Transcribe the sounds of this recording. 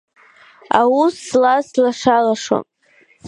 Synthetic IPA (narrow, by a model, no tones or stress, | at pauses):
awusːlaslaʂalaʂo̰m